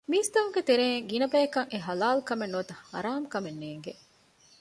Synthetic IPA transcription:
miːst̪ɐʋuŋɡet̪eɾeːŋɡinɐbæjekɐŋeɦɐlaːlkɐmenːoːt̪ɐhɐ̰ɾaːmkɐmenːeːŋɡe

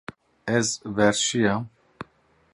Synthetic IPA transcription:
ɛzvɛɾʃijam

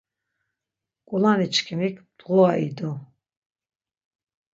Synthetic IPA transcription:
kʼulanit͡ʃʰkʰimikʰd̪̥ʁuaḭd̪u

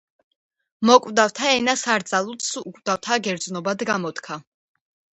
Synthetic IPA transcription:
mɔkʼvd̪awt̪ʰaɛnasaɾd̪zʼalˠut̪sukʼvd̪̥aft̪ʰaɡɛɾd̪znɔbad̪ɡamɔt̪kʰa

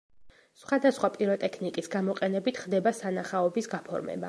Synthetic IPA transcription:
sχwad̪asχwapʼiɾɔt̪ʼɛkʰnikʼisɡamɔqʼɛnɛbit̪ʰχd̪ɛbasanaχaɔbisɡapʰɔ̰ɾmɛ̰ba

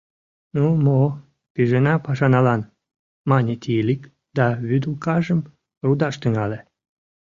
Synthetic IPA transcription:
numo | piʒenɑpɑʃɑnɑlɑn | mɑnʲet̪ʲilʲik | d̪̥ɑβyd̪ulkɑʒəm | rud̪ɑʃt̪əŋɑle

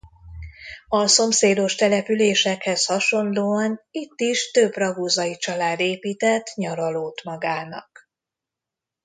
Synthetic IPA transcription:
ɒso̞mseːd̪o̞ʃt̪ɛlɛpyleːʃɛkhɛshɒʃo̞nloːɒnit̪ːiʃt̪øbrɒɡuːzɒit͡ʃɒlaːd̪eːpiːt̪ɛt̪ːɲɒɾɒloːt̪mɒɡaːnɒ̰k

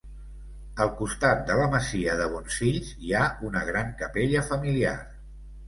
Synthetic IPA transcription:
əlˠkust̪at̪̚d̪ələməziəðəβ̞ɔnsfiʎziaunəɣɾaŋkəpeʎəfəmilia̰r

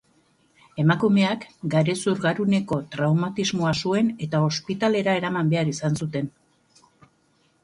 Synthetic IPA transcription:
e̞makume̞akɡaɾe̞suɾɣaɾune̞ko̞t̪ɾawmat̪izmo̞asue̞ne̞t̪ao̞spit̪ale̞ɾae̞ɾamambe̞aɾisansut̪e̞n

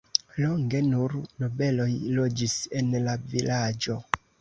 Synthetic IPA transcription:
lo̞ŋɡe̞nuɾno̞be̞lo̞jlo̞d͡ʒise̞nlavilad͡ʒo̞

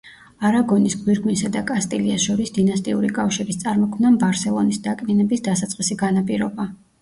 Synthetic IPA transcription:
aɾaɡɔnisɡwiɾɡmisad̪akʼast̪ʼiliasʃɔɾisd̪inast̪ʼiṵɾikʼafʃiɾist̪sʼaɾmɔkʰmnambaɾsɛlˠɔnisd̪akʼminɛbisd̪asat̪sʼqʼisiɡanapʼiɾɔba

